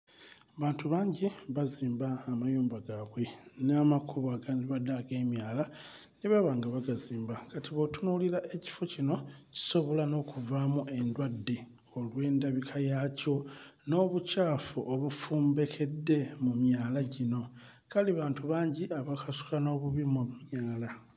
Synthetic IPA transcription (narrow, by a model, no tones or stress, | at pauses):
βaːntuβaːɲɟiβaziːmbaːmajuːmbaɡaβwe̞namakʰuβaɡaniβadaɡe̞ːmjaːla | niβaβaːŋɡaβaɡaziːmbakatiβo̞tunulilaʔe̞ci̥fo̞cino̞ci̥so̞βo̞lano̞ːkuvaːmuʔe̞ndwadːe̞ | o̞lwe̞ːndaβikʰajaco̞no̞ːβucaːfuʔoβufuːmbe̞kʰe̞dːe̞mumjaːlaɟino̞ | kaliβaːntuβaːɲɟiaβakasu̥kano̞ːβuβimumjaːla